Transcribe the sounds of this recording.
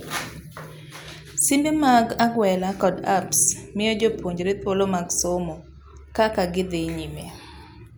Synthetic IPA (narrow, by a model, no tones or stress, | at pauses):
sindemaɡaɡwɛlakɔdapsmɪɔd͡ʒopwoɲd͡ʒɾet̪wolomaɡsomo | kakaɡɪd̪eɲime